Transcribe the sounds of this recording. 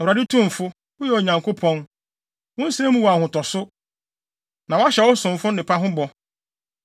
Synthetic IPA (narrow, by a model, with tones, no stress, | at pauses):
a˨ɾa˨dɪ˦tʰũ˦m˨fʊ˦ | ʊ˦jɛ˨o˨ɲã˨ŋkʰo˦pʰɔ̃˦n | wʊ̃˦n̩˦sẽ˦mũ˦wa˨hʊ̃˨tʰɔ˨sʊ˦ | nã˨wa˦ɕɛ˨wɔ˦sʊ̃˨m˨fʊ˦nɪ̃˨pʰa˦ɦʊ̃˦bɔ˨